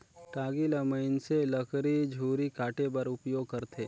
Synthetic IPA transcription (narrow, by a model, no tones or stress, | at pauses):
ʈaːɡilɐməɪnselɐkʰɾid͡ʒʱuːɾikaːʈebɐɾʊpjoːɡ̚kɐɾt̪ʰeː